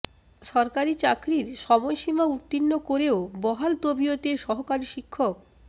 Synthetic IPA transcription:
ʃɔɾkaɾit͡ɕakɾiɾʃɔmojʃimaut̪ːinːokoɾeobɔɦalt̪obiot̪eʃɔɦokaɾiʃikʰːok̚

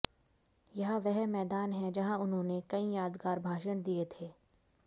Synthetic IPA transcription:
jɐɦaʋɛɦmɛːd̪aːnɦɛd͡ʒɐɦãʊnɦõːnekɐĩjaːd̪ɡaːɾbʱaːʃəñd̪iet̪ʰeː

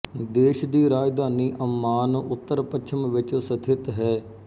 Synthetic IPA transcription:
d̪eːʃd̪iːɾaːd͡ʒd̪aːniːʔəmːaːnʊt̪ːəɾpəʃʰəmʋɪt͡ʃsət̪ʰɪt̪ɦɛː

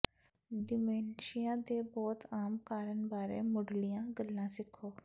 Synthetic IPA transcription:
ɖɪmɛːnʃɪjãːd̪eːbɔːt̪aːmkaːɾənbaːɾḛːmʊɖlijãːɡəlːãːsɪkʰːoː

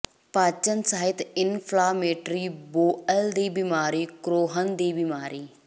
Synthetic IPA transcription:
paːt͡ʃənsaːɦɪt̪ɪnpʰlaːmeːʈɾiːboːəld̪iːbimaːɾiːkɾoːɦənd̪iːbimaːɾiː

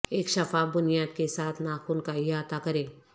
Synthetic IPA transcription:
eːkʃɐfaːbʊnijaːd̪̚kesaːt̪ʰnaːxuːnkaiaːt̪akɐɾẽː

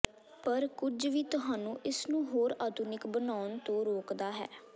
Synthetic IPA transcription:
pəɾkʊd͡ʒʋiːt̪ʊɦaːnũːʔɪsnũːɦoːɾaːt̪ʊnɪkbənaːʊnt̪õːɾoːkd̪aːɦɛ̰ː

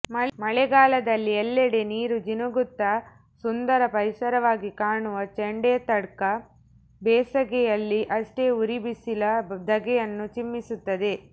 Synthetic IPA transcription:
mɐmɐɭɛɡaːlɐd̪ɐlːiɛlːɛɽeniːɾud͡ʒinuɡut̪ːɐ | sund̪ɐɾɐpɐɾisɐɾɐʋaːɡikaːɳuʋɐt͡ʃeɳɖeːt̪ɐɽkɐ | bɛːsɐɡɛjɐlːiʔɐʂʈe̞ːuɾibisilɐd̪ɐɡɛjɐnːut͡ʃimːisut̪ːɐd̪e̞

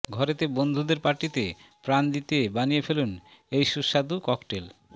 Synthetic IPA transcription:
ɡʱɔɾet̪ebond̪ʱud̪eɾpaʈit̪epɾand̪it̪ebanijefelun | ejʃuʃad̪ukɔkʈel

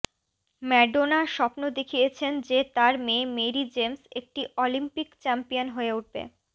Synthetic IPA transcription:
mɛɖonaʃɔpnod̪ekʰijet͡ɕʰend͡ʑet̪aɾmẽmeɾid͡ʑemsek̚ʈiʔolimpikt͡ɕɛmpijonɦoeuʈ̚bḛ

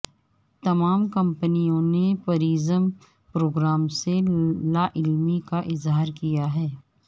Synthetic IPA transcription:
t̪ɐmaːmkɐ̃mpənijõnepɐɾiːzəm | pɾoːɡɾaːmselaːʔɪlmikaʔɪzɦaːɾkijaɦɛː

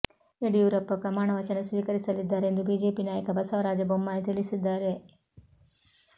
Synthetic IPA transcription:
eɽijuːɾɐpːɐpɾɐmaːɳɐʋɐt͡ʃɐnɐsʋiːkɐɾisɐlid̪ːaːɾeend̪ubiːd͡ʒe̞ːpinaːjɐkɐbɐsɐʋɐɾaːd͡ʒɐbomːaːjt̪iɭisid̪ːaːɾe̞

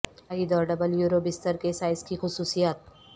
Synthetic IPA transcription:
ɐɡid̪ɔːɾɖɐbəljuːɾobɪst̪əɾkesaːɪskixʊsuːsijaːt̪̚

